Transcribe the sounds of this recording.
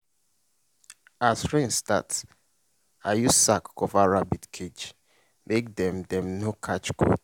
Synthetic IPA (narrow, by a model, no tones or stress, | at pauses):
asɹẽnsta̰ts | ajusakʰɔvaɹabidkʰed͡ʒ | mekdɛ̃mdɛ̃mnokʰat͡ʃɡo̰